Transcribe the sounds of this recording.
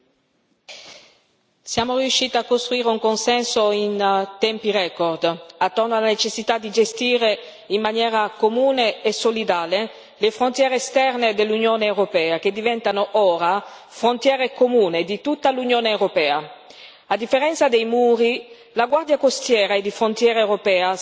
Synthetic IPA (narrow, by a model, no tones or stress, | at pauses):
sjaːmoriuʃːiːt̪iakːost̪ɾuiːɾeuŋkonsɛnsoint̪ɛmpirɛkord̪at̪ːornoalanet͡ʃesːit̪ad̪ːid͡ʒest̪iːɾe | imːanjɛːɾakomuːneːsolid̪aːle | lefɾont̪jɛːɾeːst̪ɛrned̪elːunjoːneːwɾopɛːak̟ed̪ːivɛnt̪anoʔoːɾa | fɾont̪jɛːɾekomuːned̪it̪ut̪ːalunjoːneːwɾopɛːa | ad̪ːifːeɾɛnt̪sad̪ejmuːɾi | laɡward̪jakost̪jɛːɾaed̪ːifɾont̪jɛːɾeewɾopɛːa